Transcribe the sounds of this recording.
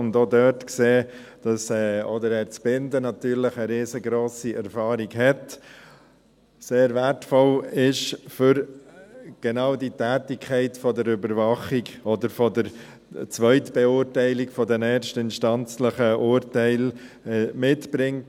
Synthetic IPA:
ʊndoːdœtkseːd̥ɑsɛːɔdəɾæːɾt͡sb̥ɪndənɑt̪yːɾləχəɾeːzəɡɾoːsiʔɛɾfɑːɾiɡɦɛt | seːɾvæɾtfɔlɪʃfʏɾ | ɡ̥ɛnɑːʊditæːtɪkʰɛɪtfɔdəɾʏbəɾvɑχiɡɔdəɾfɔdəɾ | t͡sʋœʏtb̥ɛʊːɾtɛɪlikfɔdɛnɛːɾʃtɪnʃtɑnt͡sləχəʔʊːɾtɛɪl | ɛmɪtb̥ɾɪŋt

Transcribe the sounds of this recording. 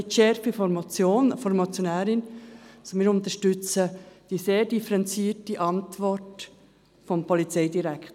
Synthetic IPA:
ɪtʃɛɾfifɔmt͡sjoːnfɔɾmɔt͡sjonɛːɾɪnsomɪːɾʊntəʃtʏt͡səd̥iːseːdifəɾɛnt͡siːɾtiʔɑntvɔɾt | fɔmpʰɔlit͡seɪdiɾɛkt

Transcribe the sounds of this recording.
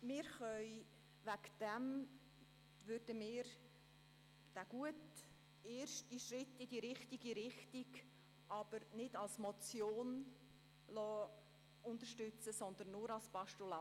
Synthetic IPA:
mɪːɾχœʏ | vækd̥ɛm | vʏrd̥əmɪːɾ | d̥æɡ̥uət | eːrʃtiʃrɪtːɪdiɾɪχtiɡiɾɪχtiɡ | ʔɑb̥əɾnɪdɑlsmɔt͡sjoːn | lɔː | ʊnt̪əʃtʏt͡səsɔnd̪ən̩ːʊɾɑlspɑʃtula

